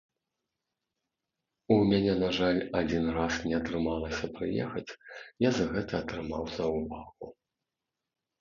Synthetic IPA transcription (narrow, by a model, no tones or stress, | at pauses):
umʲanʲɛnaʐalʲad͡zʲinrasnʲɛɐt̪ɾɨmalˠɐsʲɐpɾɨjɛ̰xɐt͡sʲjazɐɣɛt̪ɐːt̪ɾɨmawzɐwvaɣu